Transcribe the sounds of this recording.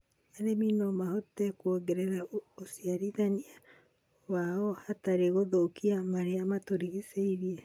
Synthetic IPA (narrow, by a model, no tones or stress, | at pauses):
aɾeminɔmahɔtɛkwoɡeɾeɾaosiaɾiðania | waɔhataɾeɣoðoukiamaɾeamatoɾiɣiseiɾiɛ